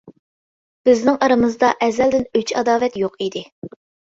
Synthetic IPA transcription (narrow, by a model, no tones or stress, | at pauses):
b̥ɪznɪŋɑɾɨmɨzd̪ɑʔɛzːɛld̪ɪnyt͡ʃɑd̪ɑːvɛt̪joqid̪ɪ